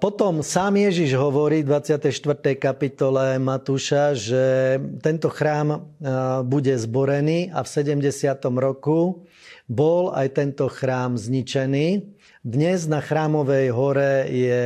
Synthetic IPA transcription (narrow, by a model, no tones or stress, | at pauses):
pɔt̪ɔmsaːmjɛʒiʒɦɔʋɔɾiːd̪ʋat͡sɪat̪ɛjʃt̪ʋr̩t̪ɛjkapit̪ɔlɛmat̪uːʃaʒɛt̪ɛnt̪ɔxɾaːm | buɟɛzbɔɾɛniːʔafsɛɟɛmɟɛsɪat̪ɔmɾɔku | bɔlajt̪ɛnt̪ɔxɾaːmzɲit͡ʃɛniː | d̪ɲɛznaxɾaːmɔʋɛjɦɔɾɛjɛ